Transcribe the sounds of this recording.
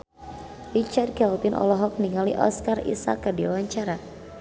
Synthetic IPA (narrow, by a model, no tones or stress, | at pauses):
rit͡ʃard̚ɡaup̪ɪnʔɔ̰lɔɦɔk̚niŋaliʔɔ̰skarḭsa̰kːərdiawaɲt͡ʃaɾa